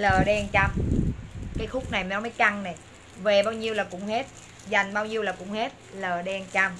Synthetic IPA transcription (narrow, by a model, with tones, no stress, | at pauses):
ləː˨˩ɗɛ˧nt͡ɕa˧m | kaː˨˦jxʊ˦˥k͡p̚na˨˩jn˨˦məː˨˦jka˧ŋnɛ˨˩ | ve˨˩ɓaː˧wɲi˧əwlaː˨˩kʊ̰˧˥ŋ͡mhe˦˥t̚ | za˨˩jŋ̟ɓaː˧wɲi˧əwlaː˨˩kʊ̰˧˥ŋ͡mhe˦˥t̚ləː˨˩ɗɛ˧nt͡ɕa˧m